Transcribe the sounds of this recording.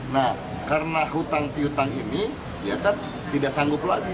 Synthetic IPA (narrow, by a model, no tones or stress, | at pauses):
nah | karənaɦut̪aŋpiut̪aŋini | ijakan | t̪idaʔsaŋɡʊplaɡi